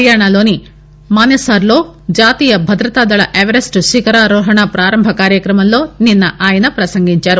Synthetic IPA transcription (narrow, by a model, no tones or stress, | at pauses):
jaːɳalo̞ːni | maːnɐsaːɾlo̞ːd͡ʒaːt̪iːjɐbʱɐd̪ɾɐt̪aːd̪ɐɭɐ̰ʔeʋɐɾesʈʃikɐɾaːɾɔːɦɐɳapɾaːɾɐmbʱɐkaːɾjɐkɾɐmɐmlo̞ːninːɐʔaːjɐnɐpɾɐsɐŋɡiɲt͡ʃaːɾu